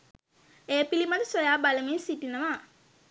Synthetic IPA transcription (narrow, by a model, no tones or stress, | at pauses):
ejəpilimat̪əsojaːbaləmeːsiʈinəʋa